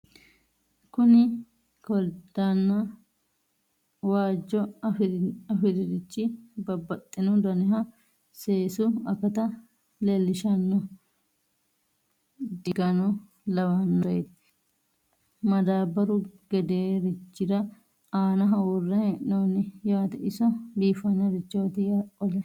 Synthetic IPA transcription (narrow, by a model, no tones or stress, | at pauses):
kʊnɪ | kɔld̪anːɐ | waːd͡ʒːɔ | ɐfɪd̪ɪd̪ɪt͡ʃːɪbɐbːɐt̪ʼːɪnɔd̪ɐnɪɦɐ | seːsʊɐfɛt̪ɐ | lelːɪʃɐnːɔ | d̪ɪɡɐnɔ | lɐwɐnːt̪ | mɐd̪aːbɐɾʊɡɛd̪eːɾɪt͡ʃːɪd̪ɐ | aːnɐɦɐwʊrːɐhɛnoːnɪjaːt̪ɛʔɪsɔbiːfɐnːɐɾɪt͡ʃːoːt̪ɪjaʔɔlɛ